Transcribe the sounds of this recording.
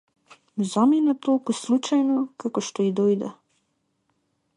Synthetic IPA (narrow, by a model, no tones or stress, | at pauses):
zɔminat̪oːkuslut͡ʃajnɔkakɔʃt̪ɔid̪oːjd̪ɛ̰